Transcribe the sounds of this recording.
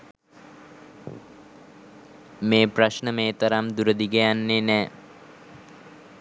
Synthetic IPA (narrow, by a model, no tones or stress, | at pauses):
meːpraʃnəmeːt̪əɾamd̪uɾəd̪iɡejanːenɛː